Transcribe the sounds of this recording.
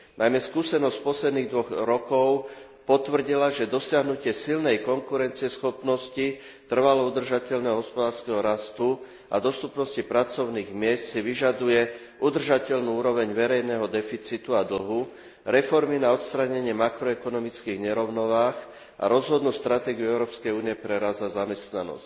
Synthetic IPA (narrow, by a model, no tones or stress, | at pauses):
nʔajmɛskuːsɛnɔscpɔslɛd̪niːɣd̪ʋɔɣɾɔkɔʊ | pɔt̪ʋr̩ɟilaʒɛd̪ɔsɪaɦnucɪɛsilnɛjkɔŋkuɾɛnt͡siɪɛsxɔpnɔsci | t̪r̩ʋalɔud̪r̩ʒacɛʎnɛɦɔɦɔspɔd̪aːɾskɛɦɔɾast̪u | ʔa̰d̪ɔst̪upnɔscipɾat͡sɔʊniːɣmɪɛst̪siʋiʒad̪ujɛ | ʔud̪r̩ʒacɛʎnuːuːɾɔʋɛɲʋɛɾɛjnɛɦɔd̪ɛfit͡sit̪uad̪l̩ɦu | ɾɛfɔɾminaɔt̪st̪ɾaɲɛɲɪɛmakɾɔɛkɔnɔmit͡skiːɣɲɛɾɔʊnɔʋaːx | ʔa̰ɾɔzɦɔd̪nuːst̪ɾat̪ɛːɡiuɛʊɾɔːpskɛjuːniɪɛpɾɛɾazazamɛst̪nanɔ̰sc